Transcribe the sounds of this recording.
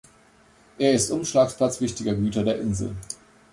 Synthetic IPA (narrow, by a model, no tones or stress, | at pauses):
ʔeːɐɪstʔʊmʃlaːkspl̥at͡sv̥ɪçtɪɡɐɡyːtɐdeːɐʔɪnzl̩